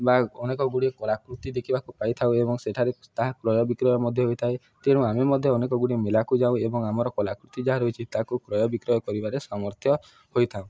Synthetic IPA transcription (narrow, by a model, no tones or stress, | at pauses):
baɔnekɔɡuɽiekɔlakɾut̪id̪ekʰibakupajt̪ʰaũebɔŋseʈʰaɾet̪aɦakɾɔjɔbikɾɔjɔmɔd̪ʱjɔɦojt̪ʰae | t̪eɽ̃ɔ̃amemɔd̪ʱjɔːnekɔɡuɽiemelakud͡ʒaũebɔŋamɔɾɔkɔlakɾut̪id͡ʒaɦaɾojt͡ʃʰit̪akukɾɔjɔbikɾɔjɔkɔɾibaɾesamɔɾt̪ʰjɔ | hojt̪ʰaũ